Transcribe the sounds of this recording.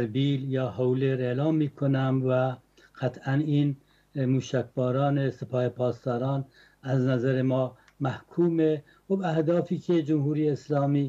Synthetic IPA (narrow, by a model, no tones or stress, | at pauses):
ɾbiːljɒːhowleɾeːlɑːmːiːkʰonæmvæ | qæt̪ʰæniːn | muːʃækʰbɒːɾɑːnesepʰɒːhepʰɒːst̪ɒːɾɑːn | æznæzæɾemɒː | mæhkʰuːme | xobæhd̪ɒːfiːkʲʰed͡ʒomhuːɾijeːslɒːmiː